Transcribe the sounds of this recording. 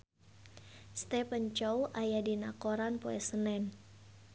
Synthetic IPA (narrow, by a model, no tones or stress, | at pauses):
st̪ɛpəɲt͡ʃɔwʔajadinakoɾanpoɛsənɛn